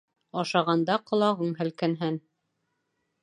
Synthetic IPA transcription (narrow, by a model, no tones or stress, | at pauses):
ɑʃɑʁɑnd̪ɑqŏlˠɑʁɤɴɦæ̆lkænɦæn